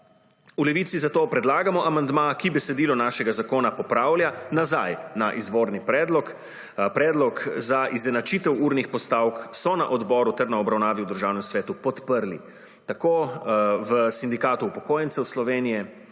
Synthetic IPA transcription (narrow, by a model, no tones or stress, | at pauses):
ulɛʋiːt̪sizat̪oːpɾɛd̪laːɡamɔʔamand̪makibɛsɛd̪iːlɔnaːʃɛɡazakoːnapɔpɾaːwlʲjanazajnaʔizʋoːɾnipɾɛːd̪lɔk | pɾɛːd̪lɔkzaʔizɛnat͡ʃiːt̪ɛwuːɾnixpɔst̪awksɔnaʔɔd̪bɔːɾut̪ɛɾnaɔbɾawnaːʋiud̪əɾʒaːwnɛmsʋɛːt̪upɔt̪pəɾlḭ | t̪akoːʋəsind̪ikaːt̪uːpɔkoːjɛnsɛwslɔʋeːnijɛ